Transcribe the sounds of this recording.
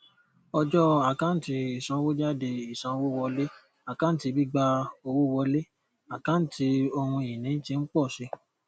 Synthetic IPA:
ɔ˧d͡ʒɔ˦a˨kã˨˦n̩˦ti˧i˨sã˨˧˦wo˦d͡ʒa˦de˧i˨sã˧˦˧wo˦wɔ˧le˦ | a˨kã˨˦n̩˦ti˧bi˦ɡ͡ba˦o˧wo˦wɔ˧le˦ | a˨kã˦n̩˦ti˧˦o˧hũ˧˨ĩ˨nĩ˨˦tĩ˧˦k͡pɔ˦˨ʃe˧

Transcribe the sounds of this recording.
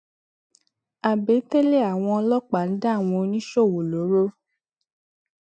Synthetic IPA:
a˨be˨˦te˦le˦˨a˨w̃ɔ̃˧ɔ˧lɔ˦k͡pa˨n̩˨˦da˦˨w̃ɔ̃˧nĩ˦ʃo˦˨wo˨lo˨˦ɾo˦

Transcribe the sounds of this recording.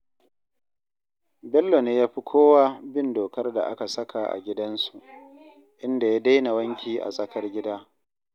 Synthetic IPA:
bɛ˦lːo˨neː˦jaː˦ɸi˦kʷʰoː˦waː˦bɪ˦˨ndoː˨kɐ˦rda̰˨ʔa̰˦ka˨sɐ˦kʰa˨ʔa̰˨ɡʲɪ˦dɐ˦nsu˨ʔ | ʔɪ˦nda˨jaː˦da˦jna˨wɐ˦ŋkʲiː˨ʔa̰˨sʼɐ˦kɐ˦rɡʲɪ˦daː˦

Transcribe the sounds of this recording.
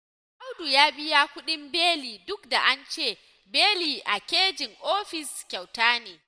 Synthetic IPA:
ʔa˦wdu˨jaː˦bɪ˦ja˦kʷʊ˦ɗɪ˦mbeː˦liː˨dʊ˦kda˨ʔa˦nt͡ʃeː˦˨ | beː˦liː˨ʔa˨kʲeː˦d͡ʒɪ˨ŋʔoː˦ɸɪ˨skʲa˨wtaː˦neː˨

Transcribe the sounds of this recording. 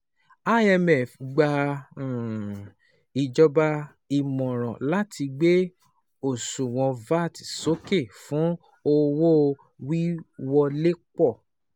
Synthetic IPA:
a˦ɛ˧mɛ˨fɡ͡ba˧˨ | i˧d͡ʒɔ˧ba˧ | i˧mɔ̃˨ɾ̃ɔ̃˨la˦tʰi˧ɡ͡be˦ | o˨sũ˨w̃ɔ̃˧va˦˨ti˨so˨˦ke˦˨fũ˨˦ | o˧wo˦˧ | wi˦wɔ˧le˦k͡pɔ˦˨

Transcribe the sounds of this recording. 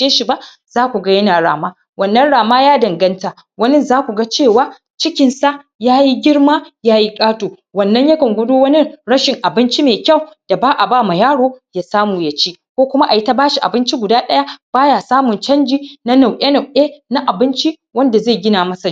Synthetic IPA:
t͡ʃeː˦ʃi˨ba˦ʔ | z̥aː˦kʷu˨ɡa˦jɐ˦naː˨ɽa̰ː˨maː˦ | wɐ˨nːɐ˦nɽaː˨maː˦jaː˦dɐ˨ŋɡɐ˦nta˨ | wɐ˦nɪ˦nzaː˦kʷu˨ɡa˦t͡ʃeː˦˨waː˦ | t͡ʃɪ˦kʲɪ˨nsa˦ʔ | jaː˦ji˦ɡʲɪ˦ɽmaː˦jaː˦ji˦kʼaː˦toː˨wɐ˨nːɐ˦ɲjɐ˦kɐ˨ŋɡʷʊ˦doː˦wɐ˦nɪ˦ɽɐ˦ʃɪ˨ŋʔa˨bɪ˦nt͡ʃi˦meː˨kʲa˦˨wd̥a˨baː˦ʔa˨baː˦˨ma˨jaː˦ɽoː˦jaː˦saː˦muː˨jɐ˦t͡ʃiː˦ | kʷoː˦kʷʊ˦ma˦ʔa˨jɪ˦ta˦baː˦ʃi˨ʔa̰˨bɪ˦nt͡ʃi˦ɡʷʊ˨daː˦ɗɐ˦ja˦b̥aː˦jaː˨saː˦mʊ˨nt͡ʃɐ˦nd͡ʒiː˦na˦na˨wʔe˦na˨wʔeː˦na˦ʔa˨bɪ˦nt͡ʃi˦ | wɐ˦nda˨zeː˦˨ɡʲɪ˦naː˨mɐ˦sa˨

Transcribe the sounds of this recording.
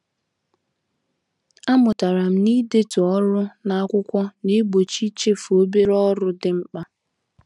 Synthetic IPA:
a˦mʊ˨ta˨ɾa˨m̩˦ni˦de˦tu˨ɔ˦ɾʊ˦na˦a˦kʷʊ˦kʷɔ˦ne˦ɡ͡bo˨t͡ʃi˦t͡ʃe˦fo˦be˦ɾɔ˦ɾʊ˦dɪ˦m̩˦k͡pa˦

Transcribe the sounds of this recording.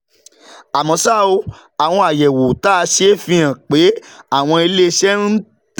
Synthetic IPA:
a˨mɔ̃˨sa˦˨o˧ | a˨w̃ɔ̃˧a˨jɛ˨wo˨ta˦˧ʃe˨˦fĩ˧ã˨k͡pe˨˦a˦˨w̃ɔ̃˧e˧le˦ʃɛ˦n̩˦

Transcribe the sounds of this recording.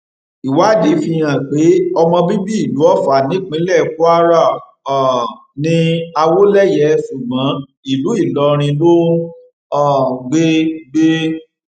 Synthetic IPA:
i˨wa˨˦˨de˨˦fi˧j̃ã˨k͡pe˨˦ɔ˧mɔ̃˧bi˦bi˦i˦˨lu˨˦ɔ˦fa˨nĩ˨˦k͡pĩ˨˦lɛ˦˨ku˦a˦ɾa˦˨ | nĩ˧a˧wo˦lɛ˦˨jɛ˨˦su˨mã˨˦ | i˨lu˨˦i˦˨lɔ˨˦ɾ̃ĩ˧lo˦ | ɔ˦˨ɡ͡be˦ɡ͡be˦

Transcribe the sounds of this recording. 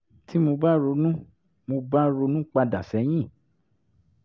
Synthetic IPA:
tʰi˦mo˧ba˦ɾo˧˦nũ˦ | mo˧ba˦ɾo˧˦nũ˦k͡pa˧da˨sɛ˨˦j̃ĩ˦˨

